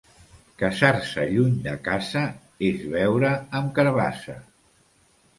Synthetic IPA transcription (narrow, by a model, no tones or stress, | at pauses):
kəsaɾsəʎuɲd̪əkazə | ezβɛwɾəːmkəɾβasə